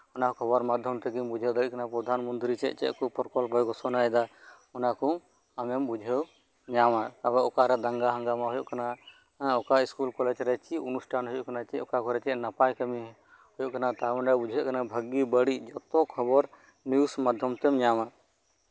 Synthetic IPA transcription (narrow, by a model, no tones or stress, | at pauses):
ɔnakɔkʰɔbɔɾmad̪ʱjɔmt̪ɛɡimbud͡ʒʱɛwd̪əɾiʔkanapɾɔd̪ʱanmɔnt̪ɾit͡ʃɛ̰ʔt͡ʃɛ̰ʔkɔpɔɾkɔlbʱɔjɡɔsɔnaɛd̪a | ɔnakɔ | amɛmbud͡ʒʱɛw | ɲamakabɛɔkaɾɛd̪ãŋɡaɦãŋɡamaɦɔjɔ̰ʔkana | ɔkaiskulkɔlɛd͡ʒɾɛt͡ʃiʔunusʈʰanɦɔjɔʔkanat͡ʃɛɔkakɔɾɛt͡ʃɛʔnapajkəmi | hɔjɔʔkanat̪amɛɳɖabud͡ʒʱjɔʔkanabʱəɡibəɽiʔd͡ʒɔt̪ɔkʰɔbɔɾ | niusmad̪ʱjɔmt̪ɛmɲama